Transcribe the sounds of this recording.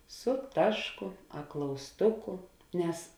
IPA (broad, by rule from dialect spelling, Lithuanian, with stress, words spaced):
sʊ ˈtɑːʃˌkʊ ɐ klˠɐʊsˈtʊkʊ ˈnʲɛs